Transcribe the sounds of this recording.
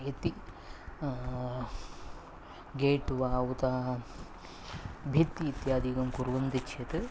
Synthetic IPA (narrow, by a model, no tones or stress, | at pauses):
et̪i | ɡeːʈːuʋaːwut̪aː | bʱit̪ːiːt̪jaːd̪ikɐmkuɾʋɐnd̪ikʃʰɐt̪ɨ